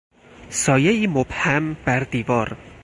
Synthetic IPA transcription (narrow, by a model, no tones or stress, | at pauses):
sɒːje̞iːmob̥hæmbæɾd̪iːvɒːɾ